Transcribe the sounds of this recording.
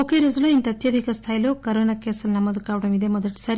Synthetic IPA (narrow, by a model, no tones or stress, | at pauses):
okeɾezɐloint̪ɐt̪jɐd̪ʱikɐst̪ʰaːjɐlokɐɾoːnakeːsɐlnɐmɐd̪ukaːʋɐɽɐmid̪emɔd̪ɐʈsɐɾi